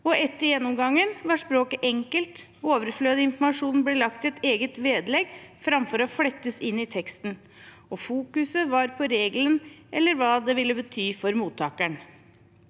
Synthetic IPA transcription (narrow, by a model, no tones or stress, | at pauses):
ɔʔɛt̪ːəɾjɛnːʊmɡɑŋːənʋɑʂpɾoːkəʔɛŋkəlt̪ | oːʋəɾfløːd̪əɪnfɔɾmɑʂuːnn̩blɛːlɑkt̪ɛt̪eːɡət̪ʋeːd̪lɛɡfɾɑmfɔɾɔflɛt̪ːəsɪnːɪt̪ʰɛkst̪n | ɔfuːkʉsəʋɑɾpʰɔɾeːɡlənʔɛlːəɾʋɑːd̪ɛʋɪlːəbət̪ʰyːfɔɾmuːt̪ʰːɑːkæɳ